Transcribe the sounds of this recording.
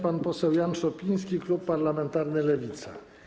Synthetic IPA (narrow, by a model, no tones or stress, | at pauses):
panpɔsɛwjanʂɔpʲij̃skʲiklupːaɾlamɛnt̪aɾnɘlɛvʲit̪sa̰